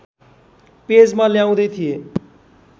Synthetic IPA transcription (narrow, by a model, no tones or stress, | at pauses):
ped͡zmaljaw̃d̪ʌjt̪ʰije